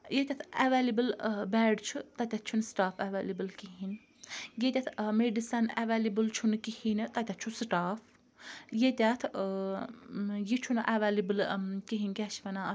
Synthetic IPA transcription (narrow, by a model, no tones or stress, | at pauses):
jet̪ʲat̪ʰɛʋaːlibɨlbɛːɖt͡ʃʰut̪ɐt̪ʲat̪̚ʰt͡ʃʰunsʈaːfaʋaːlibəlkiɦin | jet̪ʲat̪ʰmeɖisɐnɛʋaːlibɨlt͡ʃʰunkihint̪ɐt̪ʲat̪t͡ʃʰusʈaːf | jet̪ʲat̪ʰ | jit͡ʃʰunʔaʋaːlibɨlkiɦinkʲɛt͡ʃʰʋɐna